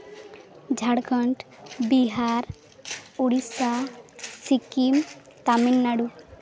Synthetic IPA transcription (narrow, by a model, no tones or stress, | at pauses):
d͡ʒʱaɽkəɳʈ | biɦaɾ | uɽisasikim | t̪aminːaɽu